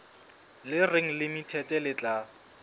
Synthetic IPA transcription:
lɪreŋ̩lɪmitʰɛtʼɛlɪt͡ɬʼa

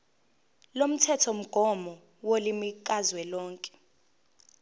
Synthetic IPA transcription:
lom̩tʰɛtʰɔm̩ɡ̥ʱɔmɔ | wolimik̬ʼazwɛlɔːŋkʼɛ̥

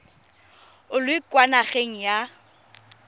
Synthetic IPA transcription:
ʊlʊikwanaχeŋ̩ja

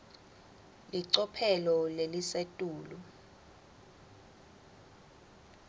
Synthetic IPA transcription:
liǀɔpʰɛlɔlelisetʼuːlɔ

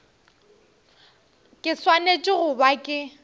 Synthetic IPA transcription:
kʼɪswanet͡ʃʼɪɣʊbakʼɪ

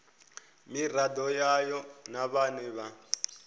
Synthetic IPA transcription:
miradɔjajɔnaβanɛβa

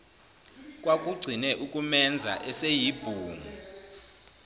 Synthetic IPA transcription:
k̬ʼwak̬ʼuɡ͡ǀʱinɛʔukʼumɛnd͡zʱa̰ʔɛsejib̥ʱuːŋu

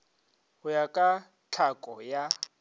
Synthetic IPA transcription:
hʊjakʼa | t͡ɬʰakʼɔja

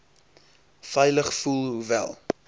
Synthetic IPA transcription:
fɛjləχfulˠɦuvæ̰lˠ

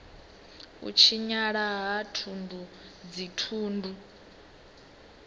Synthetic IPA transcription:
ṵt͡ʃʰiɲaɺaɦatʰundu | d͡zitʰuːndʱu

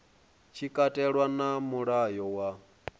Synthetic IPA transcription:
t͡ʃʰikʼatʼɛɺwanamuɺajɔwa

